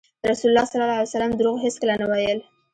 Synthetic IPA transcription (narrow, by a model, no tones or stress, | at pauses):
ɾasulʊlːɑsalːɑlɑaljasalamd̪ɾoɣɦeskəlanawajəl